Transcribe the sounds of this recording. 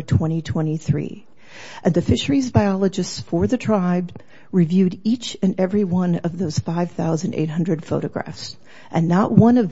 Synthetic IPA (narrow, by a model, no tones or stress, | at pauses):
tʰw̥ɛ̃ɾ̃itʰw̥ɛ̃ɾ̃iθɹḭ | ʔɨ̃nðɨfɪʃə˞izbaɪɑlˠəd͡ʒɨstsfə˞ðɨtʰɹ̥aɪb | ɹivjʉɾit͡ʃɨ̃nɛvɹiwʌ̃nʌvðoʊz̥faɪv̥θaʊzɨ̃ndḛɪt̚ɦʌ̃ndɹɨd̥foʊɾɨɡɹæ̰fs | ʔɨ̃nːəʔ̚wʌ̃nʌv